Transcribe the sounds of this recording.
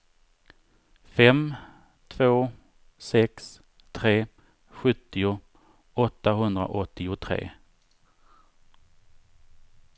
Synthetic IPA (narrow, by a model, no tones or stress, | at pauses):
fɛm | t̪ʰvoː | sɛks | t̪ʰɾeː | ɧɵt̪ːɪʊ | ɔt̪ːaɦɵnd̪ɾa̰ʔɔt̪ːɪʊt̪ʰɾḛː